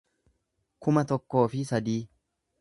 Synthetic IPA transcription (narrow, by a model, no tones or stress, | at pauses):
kʊmɐt̪ɔkːo̞ːfɪsɐd̪iː